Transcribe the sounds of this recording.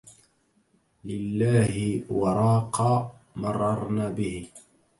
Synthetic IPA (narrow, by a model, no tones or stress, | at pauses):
lɪlːaːhɪwɑɾˤɑːqɑː | mɑrˤːɑɾˤnaːbɪhɪ